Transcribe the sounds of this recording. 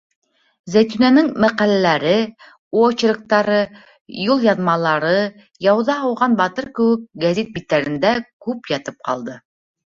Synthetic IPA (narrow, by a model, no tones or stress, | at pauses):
zæjt̪ynænɘŋmæqælælæɾɘ | uot͡ɕɾɤ̆k̚t̪ɑɾɤ | julˠjɑnmɑlˠɑɾɤ | jɑwðɑɦɑwʁɑnbɑt̪ɤɾkɘ̆wɘk̚ɡæzʲit̪̚bit̪ːæɾɘ̆nd̪ækʉpjɑt̪ɤp̚qɑ̰lˠd̪ɤ